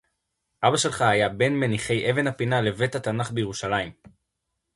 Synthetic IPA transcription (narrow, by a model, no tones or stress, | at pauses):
ʔabaʃe̞lχaajabe̞nmeniχe̞jʔe̞ve̞nhapinale̞ve̞t̪hat̪anaχbe̞jeʁuʃalaim